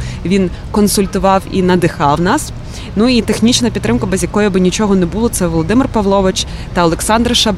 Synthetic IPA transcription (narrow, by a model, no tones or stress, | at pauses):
ʋʲin | kɔnsʊlʲt̪ʊʋɑwḭnɐd̪ɪxɑwnɑs | nuit̪exnʲit͡ʃnɐpʲit̪ːɾɪmkɐbɛzʲjɐkɔjʊbɪnʲit͡ʃɔɦɔnɛbulˠɔt̪sɛʋɔlˠɔd̪ɪmɪrpɐʋlˠɔʋɪt͡ʃ | t̪ɐɔlˠeksɑnd̪rʃɐb